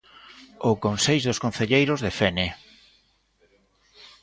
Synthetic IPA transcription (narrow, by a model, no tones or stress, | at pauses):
ʊkonseʎðʊskon̟θeʎejɾozðefene